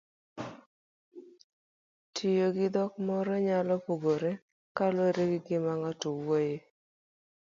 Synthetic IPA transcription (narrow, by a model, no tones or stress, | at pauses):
tʰijoɡɪd̪ɔkmɔɾɔɲalɔpuɡoɾe | kaloɾeɡɪɡɪmaŋɔtowoje